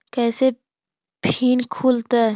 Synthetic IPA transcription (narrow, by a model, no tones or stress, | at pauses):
kɛːse | pʰiːnkʰuːlt̪aː